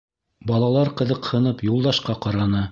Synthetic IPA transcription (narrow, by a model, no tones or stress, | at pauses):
bɑlˠɑlˠɑɾqɤ̆ðɤ̆qhɤ̆nɤpjulˠd̪ɑʃqɑqɑɾɑnɤ